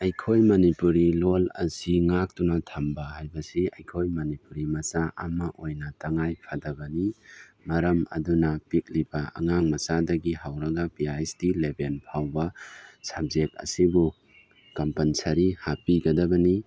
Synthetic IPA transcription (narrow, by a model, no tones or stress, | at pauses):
ɐjkʰojmɐnipuɾilolɐ̰siŋak̚tunatʰambahajbɐsiɐjkʰojmɐnipuɾimɐsaʔɐmɐʔojnɐtɐŋajpʰadɐbɐni | mɐɾɐmɐ̰dunɐpik̚libɐʔɐ̰ŋaŋmɐsadɐɡiɦawɾɐɡɐpiastilebenpʰawbɐsab̚zek̚ɐ̰sibu | kɐmpɐnsaɾihapiɡɐdɐbɐni